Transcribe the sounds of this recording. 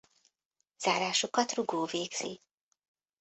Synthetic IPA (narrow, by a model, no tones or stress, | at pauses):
z̥aːɾaːʃokɒt̪ruɡoːveːɡz̥ḭ